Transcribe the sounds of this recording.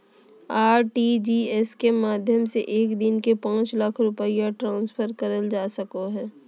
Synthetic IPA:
aːɾʈid͡ʒiɛskemaːd̪ʱjəmsḛʔeːkd̪ɪnkepãːt͡ʃləkʰɾʊpəijaʈɾãːnsfʰəɾkɐɾəld͡ʒaːsɐkoɦɛː

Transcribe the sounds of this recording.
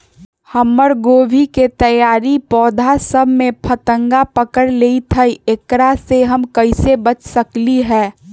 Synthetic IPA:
həmːəɾɡoːbʱiket̪əjaːɾipɔːd̪ʱasəbʱmẽpʰət̪əŋɡapəkəɾleit̪ʰəiekɾaseɦəmkəɪsebət͡ʃsəkliɦɛː

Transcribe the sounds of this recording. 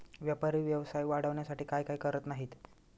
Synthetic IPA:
ʋjəpaɾiːʋjəʋsajʋaɽəʋɳjasaʈiːkajkaiːkəɾət̪naɦiːt̪

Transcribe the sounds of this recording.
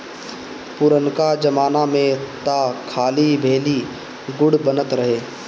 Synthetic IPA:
pʊɾənkad͡ʒɐmaːnamẽt̪aːkʰaːlibʱeːli | ɡʊɽbənət̪ɾɐɦeː

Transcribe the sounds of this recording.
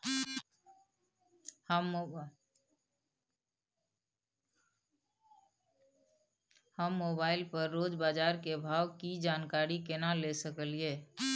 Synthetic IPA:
həm | həmːoːbaɪlpəɾːoːd͡ʒbaːd͡ʒaːɾkebʱaːwkid͡ʒaːnkaɾikenalesəkəlie

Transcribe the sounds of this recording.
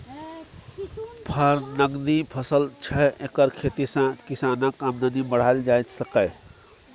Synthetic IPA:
pʰəɾnəɡd̪ipʰəsəlt͡ʃʰɛekəɾkʰet̪isãkisanəkamd̪ʱənibəɽ̤ald͡ʒajt̪səkəj

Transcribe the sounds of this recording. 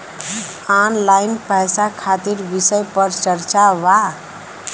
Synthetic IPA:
anlajnpɛjsakʰat̪iɾbisəjpəɾt͡ʃəɾt͡ʃaʋa

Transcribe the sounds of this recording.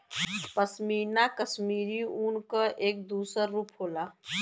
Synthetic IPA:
pəsmiːɾnakəsmiːɾiunkəʔeːk̚d̪uːsəɾːuːpɦoːlaː

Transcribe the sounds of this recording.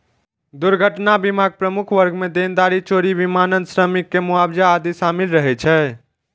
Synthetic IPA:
d̪uɾɡʱəʈnabimaɡ̚pɾəmukʰʋəɾɡmed̪end̪aɾit͡ʃoɾibimanənsɾəmikːemuabd͡ʒaːd̪isamilɾəɦɛt͡ʃʰɛː

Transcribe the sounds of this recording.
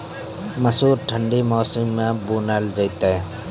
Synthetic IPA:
məsuːɾʈʰə̃ɳɖimɔːsɪmːẽbuːnald͡ʒəjt̪e

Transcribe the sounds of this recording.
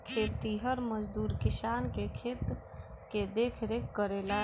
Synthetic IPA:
kʰet̪ːiɦəɾməd͡ʒd̪uːɾkisankekʰet̪ | ked̪ekʰɾekːəɾela

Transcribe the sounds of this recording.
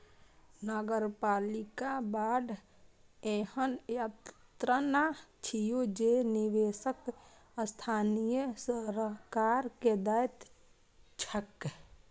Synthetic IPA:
nəɡəɾpaːlikabaːɖ̪ | ẽhənjatt̪ɾanat͡ʃʰijod͡ʒeniʋeːsək | st̪ʰaːnijəsəɾkaːɾked̪əjt̪ | t͡ʃʰək

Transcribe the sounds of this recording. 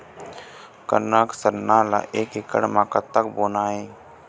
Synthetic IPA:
kə̰naːksəɾnaːla̰ːʔeːkɦɪkə̰ɽmãːkət̪ːəkboːnaːɦeː

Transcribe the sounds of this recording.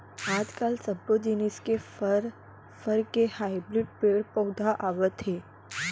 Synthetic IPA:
ad͡ʒkalsəbɾod͡ʒiniskeɾ | fəɾkehaibɾiɖ̚peɾpəwd̪ʱaʔaʋət̪ɦe

